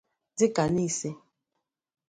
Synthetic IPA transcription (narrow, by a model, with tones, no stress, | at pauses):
d͡zi˦ka˨ni˦˨se˦